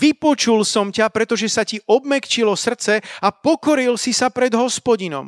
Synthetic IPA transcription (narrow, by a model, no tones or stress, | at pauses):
ʋipɔt͡ʃulsɔmcapɾɛt̪ɔʒɛsaciʔɔbmɛkt͡ʃilɔsr̩t͡sɛapɔkɔɾilsisapɾɛd̪ɦɔspɔɟinɔ̰m